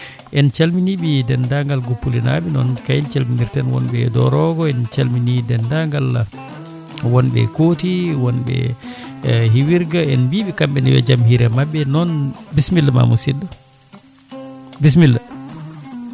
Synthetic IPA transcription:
ʔɛnt͡ʃalminiɓidɛndaŋɡalɡupːulina̰ɓinɔ̰nkajint͡ʃalminiɾtɛnwɔ̰nɓɛ̰dɔ̰ɾɔɡɔɛnt͡ʃalminidɛndaŋɡal | wɔnɓɛ̰kotiwɔnɓɛ̰ | ɦiwiɾɡaɛnbiɓikamɓɛniwɛ̰d͡ʒamhiɾɛmabːɛnɔnbismilːma̰musida | bis̬milːa

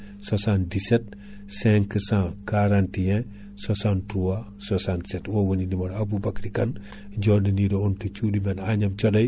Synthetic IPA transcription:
sasandiset̚ | sɛ̃ŋkəsãkaɾãntijɛ̃ | sasãntɾuwa | sasãntsetwowoninimaɾabubakɾikɐn | ɟodinidoontut͡ʃudimenaɲamt͡ʃodɐj

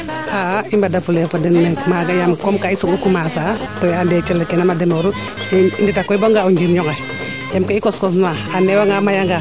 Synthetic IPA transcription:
aimbadafulɛfɔdɛnmɛmaɡajamkɔmkaisɔkukumasatɔaldɛt͡ʃɛlkɛnamadɛmɔɾu | inditakːɔibɔŋɡauɲd͡ʒiɾɲɔŋa | jamkaikɔskɔs̬naanɛwaŋɡamajaŋɡa

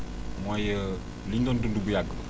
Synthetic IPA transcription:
majə | liɲdɔndundubujaɡːə

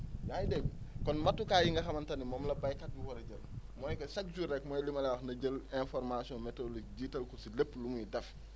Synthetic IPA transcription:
jaːjdɛɡkɔnmɐtːukaːjiŋɡɐxɐmɐntɐnimɔmlɐbɐjkɐt̚ɡuwɔɾɐɟɐlmɔːjkɐsɐk̚d͡ʒurɛk̚mɔːjlimɐlɛwɐxnɐɟəlɛnfɔɾmasiɔnmɛtolikɟiːtɐlkɔsilepːlumujidɛf

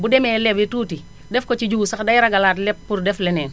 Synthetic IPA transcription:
budɛmɛlɛbituːti | dɛfkɔt͡ʃid͡ʒusakdajɾaɡalatlɛp̚ːuɾdɛflɛnɛːn

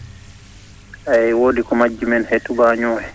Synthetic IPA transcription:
ʔaɛwoːdikɔmad͡ʒːimɛnhetːubaɲɔːhɛ

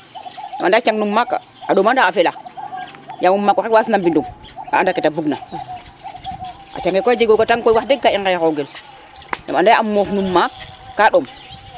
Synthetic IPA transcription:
ja̰ma̰ndat͡ʃaŋnumːaka̰ | aɗomandaafela | jamumːakːoewasnambindum | a̰andaketabuɡna | ʔa̰t͡ʃaŋɡekoad͡ʒeɡokataŋkojwadeɡːaiŋɡejakoɡel | ja̰mandaʔamofnumːakːaɗom

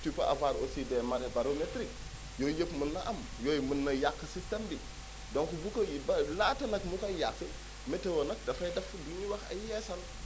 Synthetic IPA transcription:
tupa̰ʔa̰vaɾosidemaɾebaɾometɾik̚ | jojepmunːaʔam | jojmunːajakːəsistambi | doŋkubukajibalatanakmukajakːe | metewonak̚dafajdafduɲiwaka̰jesan

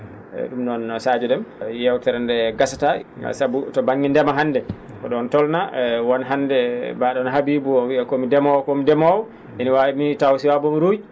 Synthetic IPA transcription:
ɛ̰ɗumnɔnsad͡ʒɔɗɛmjɛwtɛɾandɛɡasata̰sabutɔbaɲːindɛmaɦanːdɛ | kɔɗɔntɔlnawɔnɦandɛbaɗɔnɦabibuɔwiɛkɔmidɛmɔwkɔmidɛmɔw | ʔɛniwawimitawsiwabɔmiɾuj

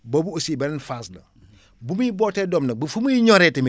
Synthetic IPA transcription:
bobuosibennfaːslɐ̰ | bumiboːtedomnɐbɐfumujiɲoɾetem

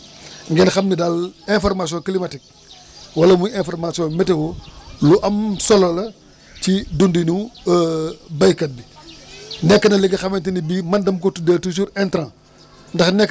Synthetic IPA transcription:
ŋɡɛnxɐmnidalɛ̃fɔrmas̬jɔ̃klimɐtik̚ | wɐlɐmujɛ̃fɔrmasjɔ̃mɛtewoluʔɐmsɔlɐlɐ | cidundinu | bɐjkɐt̚bi | nɛkːɐnɐliɡɐxɐmɐntinibimɐndɐmkotudeːltus̬uɾɛntɾã | ndɐxnɛkː

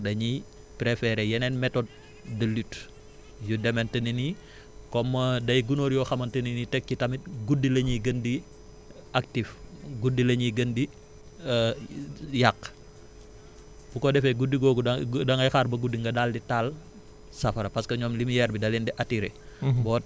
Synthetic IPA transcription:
dɐɲi | pɾefɛɾejɛnɛnmɛtɔd̚ | dɐlyt | judɛmɛntɐnini | kɔmːɐdɐjɡunoːɾjɔxɐmɐntɐninitɛkːitɐmit̚ɡudːilɐɲiɡəndi | ak̚tifɡudːilɐɲiɡəndi | jakː | b̥ukɔdɛfɛɡudiɡɔːɡudɐŋɐjxaːrbɐɡudːiŋɡɐdaldital | sɐfɐɾɐpɐskɐɲɔːmlimijɛɾbidɐlɛndɛʔɐtiɾḛbɔː

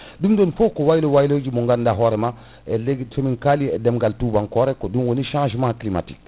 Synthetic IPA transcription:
dumdonfokowajlowajilod͡ʒimuŋɡandaɦɔɾɛma | eleɡfomiŋkaliɛdɛmɡaltubaŋkɔɾɛkodumwoniʃãːʒmãklima̰tḭk

